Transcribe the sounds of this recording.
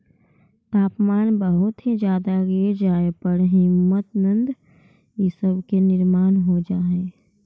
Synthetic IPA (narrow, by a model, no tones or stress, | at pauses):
t̪aːpmaːnbəɦʊt̪ɦid͡ʒjaːd̪aɡed͡ʒaːepəɽɦɪmːət̪nə̃nd̪ | jisəbkenɪɾmaːnɦod͡ʒaːɦeː